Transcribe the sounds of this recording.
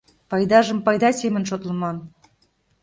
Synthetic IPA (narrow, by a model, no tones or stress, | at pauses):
pɑjd̪ɑʒəmpɑjd̪ɑsʲemə̆nʃot̪lə̆mɑn